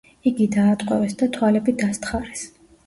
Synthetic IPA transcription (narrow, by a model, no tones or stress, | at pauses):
iɡid̪aːt̪ʼqʼwɛvɛsd̪at̪ʰwalɛbid̪ast̪χaɾɛs